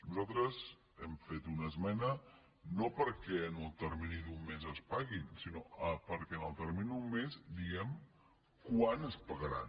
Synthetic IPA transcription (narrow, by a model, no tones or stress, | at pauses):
nuzalˠt̪ɾəz | ɛmfet̪unəzmɛnə | nopəɾkɛənəlˠt̪əɾminid̪umːezəspaɣinsinoəpəɾkɛənəlˠt̪ərminiiumːezd̪iɣɛm | kwanəspəɣəɾa̰